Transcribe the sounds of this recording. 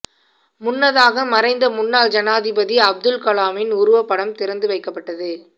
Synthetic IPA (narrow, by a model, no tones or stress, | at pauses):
mʊnːɐðaːɣɐmɐɾɐɪnd̪ɐmʊnːaːld͡ʒɐnaːðɪbɐðiɐb̚d̪ɯlkɐlaːmɪnʊɾʊʋɐpːɐɽɐmt̪ɪɾɐnd̪ɯʋɐɪkːɐpːɐʈːɐðɯ